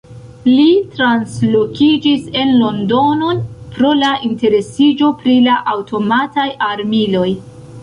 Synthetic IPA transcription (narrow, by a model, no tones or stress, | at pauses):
litɾanslokʰid͡ʒise̞nlo̞ndo̞no̞npɾo̞laʔinte̞ɾe̞sid͡ʒo̞pɾilaʔawtʰo̞matajaɾmilo̞j